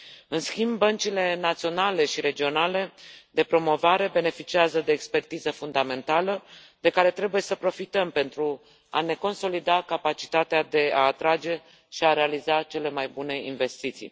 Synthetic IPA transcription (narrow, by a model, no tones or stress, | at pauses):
ɨnskʲimbbːənt͡ʃile̞nat̪sio̞nale̞ʃiɾe̞d͡ʒio̞nale̞d̪e̞pɾo̞mo̞vaɾe̞be̞ne̞fit͡ʃiazəd̪e̞ːkspe̞rt̪izəfund̪ame̞nt̪alə | d̪̥e̞kaɾe̞t̪ɾe̞buje̞səpɾo̞fit̪əmpe̞nt̪ɾu | a̰ne̞ko̞nso̞lid̪akapat͡ʃi̥t̪at̪ead̪e̞aːt̪ɾad͡ʒe̞ | ʃiaɾe̞alizat͡ʃe̞le̞majbune̞inve̞st̪it̪sḭj